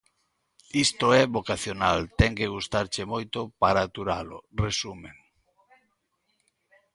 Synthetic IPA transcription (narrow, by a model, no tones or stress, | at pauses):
ist̪oɛβokaθjonalt̪ɛŋkeɣ̞ust̪aɾt͡ʃemojt̪ʊpaɾaːt̪uɾalʊ̰resumeŋ